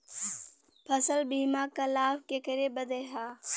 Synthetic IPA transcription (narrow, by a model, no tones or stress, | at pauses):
pʰəsəlbiːmaːkalaːbkekəɾebəd̪eːɦaː